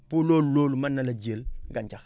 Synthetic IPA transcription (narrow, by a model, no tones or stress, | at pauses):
pulolulolumanːalad͡ʒielɡant͡ʃax